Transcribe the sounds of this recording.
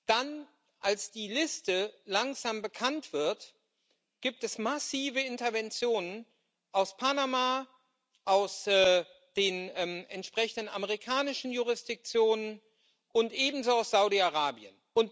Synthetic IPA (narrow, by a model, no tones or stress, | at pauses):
d̥an | ʔalsd̥iːlɪstəlaŋz̥aːmbəkʰantv̥ɪɐt | ɡ̥iːp̚tɛsmasiːvəɪntɐvɛnt͡sjoːnən | ʔaʊspʰanamaː | ʔaʊsɛː | d̥eːnɛːmɛntʃpʁ̥ɛçn̩dənaməʁikʰaːnɪʃn̩juʁ̞ɪsd̥ɪk̚t͡sjoːnən | ʔʊntʔeːbm̩zoaʊsz̥aʊdiaʁaːbiənʔʊnt